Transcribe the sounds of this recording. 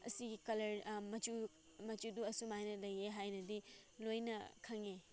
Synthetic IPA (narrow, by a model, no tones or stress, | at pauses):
ɐ̰siɡikɐlɐɾmɐt͡ʃu | mɐt͡ʃuduɐsumajnɐlɐjeɦajnɐdilojnɐ̰kʰɐŋe